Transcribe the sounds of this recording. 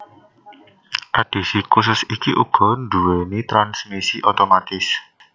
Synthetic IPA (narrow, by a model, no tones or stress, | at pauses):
ʔaɖ̥e̤sikus̬ʊsikiʔṵɡ̥ɔ̤nduwenit̪ɾansmisiʔot̪omat̪ɪs